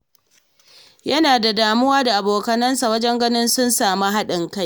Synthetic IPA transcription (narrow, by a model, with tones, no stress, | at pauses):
jɐ˦naː˨da˨daː˨mʊ˦waː˦da˨ʔa˨boː˨kɐ˨nɐ˦nsa˨wɐ˦d͡ʒɛ˦ŋɡɐ˦nɪ˦nsʊ˦nsaː˨ma˦ɦa˦ɗɪ˨ŋka˦j